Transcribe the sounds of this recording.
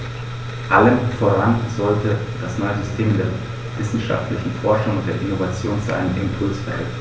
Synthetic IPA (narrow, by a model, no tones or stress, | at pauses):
ʔaləmfoːʁanzɔltəd̥asnɔɪəzʏstʰeːmdeːɐ | vɪsn̩ʃa̰ftlɪçn̩fɔɐʃʊŋʊnt̚d̥eːɐʔɪnovat͡sjoːnza̰ɪnənʔɪ̰mpʰʊlsfɛɐʁɛ̰